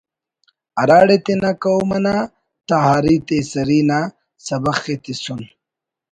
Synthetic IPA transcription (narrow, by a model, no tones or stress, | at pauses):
ɐɾaːɽet̪enakawmɐna | t̪aɦaːɾit̪esɐɾina | sɐbɐxet̪isun